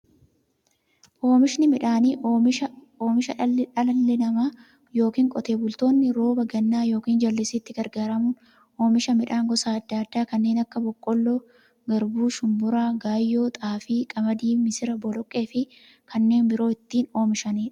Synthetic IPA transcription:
ʔoːmɪʃnɪmɪᶑaːniː | oːmɪʃɐᶑɐlɐlːɪnɐmaː | jo̞ːkiːŋkʼɔt̪e̞ːbʊlt̪o̞ːnːɪɾo̞ːbɐɡɐnːaːjo̞ːkiːnd͡ʒɐlːɪsɪːt̪ːɪɡɐɾɡaːɾɐmʊn | ʔo̞ːmɪʃɐmɪᶑaːŋɡɔsaːɐd̪ːaːd̪ːaːkɐnːeːnɐkːɐbɔkʼːɔlːoː | ɡɐɾbuːʃʊmbʊɾaːɡaːjːo̞ːt̪ʼaːfiːkʼɐmɐd̪iːmɪsɪɾɐbɔlɔkʼːe̞ːfɪ | kʰɐnːe̞ːnbɪɾo̞ːɪt̪ːiːno̞ːmɪʃɐniːᶑɐ̥

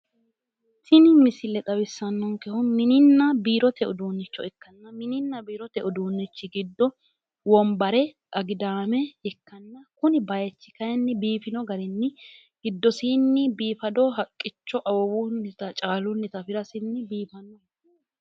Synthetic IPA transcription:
t̪ɪnɪmɪsɪlɛt̪ʼɐbɪsːɐnːɔŋkɛhʊmɪnɪnːɐbiːɾɔt̪ɛʔʊd̪uːnːɪt͡ʃːɔɛkːɐnːɐmɪnɪnːɐbiːɾɔt̪ɛʔʊd̪uːnːɪt͡ʃːɪɡɪd̪ːɔ | wɔmbɐɾɛ | ʔɐɡɪd̪aːmɛɛkːɐnːɐkʊnɪbɐjɛt͡ʃːɪ̥kɐjɛnːɪbiːfɪnɔɡɐɾɪnːɪ | ɡ̥ɪd̪ːɔsiːnːɪbiːfɐd̪ɔɦɐkʼːɪt͡ʃːɔʔɐwɔwunːɪt̪ɐt͡ʃʼaːlʊnːɪt̪ɐfɪɾɐsɪnːɪbiːfɐnːɔhɐ

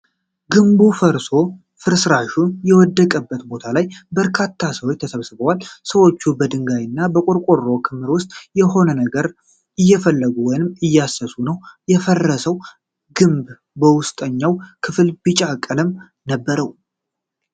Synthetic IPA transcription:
ɡɨmbufəɾso̞ | fɨɾsɨɾaʃujɛwɔd̪ːəkʼəbːət̪bo̞t̪ʰalajbəɾkʰat̪ʰːasəwot͡ʃːt̪ʰəsəβsɨβəwalsəwo̞t͡ʃːubəd̪ɨŋɡajɪnːabəkʼʊɾkʷʼorːo̞kʰɨmːɨɾwʊst̪ʼjɛɦo̞nənəɡəɾ | ʔɨjːɛfəlːəɡuwɔjnɨmɨjːasːəsunəwjɛfərːəsəw | ɡɨmb | bəwʊst̪ʼəɲːawkʰɨfɨlbɨt͡ʃʼakʼːələm | nəbːəɾəw

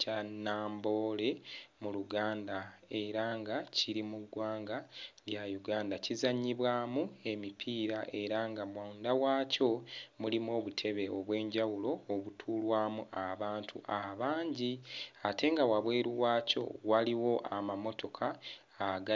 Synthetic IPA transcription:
anaːmbo̞le̞muluɡaːndae̞ɾaŋɡaciɾimuɡwaːŋɡaljajuɡaːndacizaɲːiβwaːmue̞mipʰiːɾaʔe̞ɾaŋɡamwandawaːco̞mulimo̞ːβutʰe̞βe̞oβwe̞ːɲɟawulo̞ːβutʰuːlwaːmuʔaβaːntʰṵʔaβaːɲɟiate̞ŋɡawaβwe̞ːɾuwaːco̞̰waliwo̞ʔamamo̞tʰo̞kʰaː | ɡa

